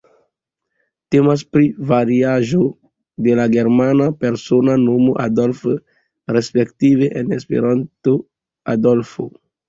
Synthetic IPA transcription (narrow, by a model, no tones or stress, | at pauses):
te̞mas̬pɾivaɾiaʒo̞ | delaɡe̞ɾmanape̞ɾso̞nano̞moʔadolf | ɾespektiveʔenespḛɾanto | a̰dolfo̰